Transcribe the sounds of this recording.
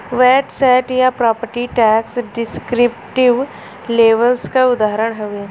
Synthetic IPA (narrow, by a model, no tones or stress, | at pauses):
ʋɛːɖsajʈjapɾaːpəɾʈiʈɛːksɖɪskɾɪp̚ʈɪʋ | leːʋəlskaʊd̪aːɾəɳɦoʋeː